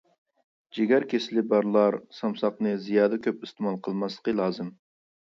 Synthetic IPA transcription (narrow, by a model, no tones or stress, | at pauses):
d͡ʒeɡʲæɾkʲeslɪbɑɾlˠɑɾsɑmsɑqnɨzijɑːd̪əkʲʰøpɪst̪ɨmɑlˠqʰəlˠmɑslˠə̥qəlˠɑːzɨm